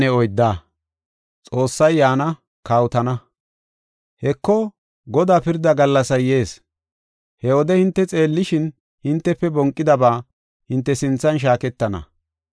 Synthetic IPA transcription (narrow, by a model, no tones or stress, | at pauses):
ɛɔjd̪ːaː | t͡sʼo̞ːsːɐjːaːnɐ | kaːwʊt̪ɐnɐ | hɛkːɔ | ɡɔd̪aːpɪɾd̪ːɐɡɐlːɐsɐjːe̞ːs | hɛwɔd̪ɛhɪnt̪ːɛt͡sʼe̞ːlːɪʃɪn | hɪnt̪ːɛpːɛbɔŋkʼːɪd̪ɐbaː | hɪnt̪ːɛsɪnt͡sːɐnʃ̬aːkɛt̪ːɐnɐ̰